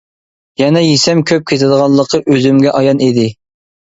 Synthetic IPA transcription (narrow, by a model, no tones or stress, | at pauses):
jɛnɛjisɛmkʲʰøp̚kʲʰet̪ʰɪd̪əʁɑnlˠːəqʰəʔøzymɡʲɛʔɑjɑnid̪ɪ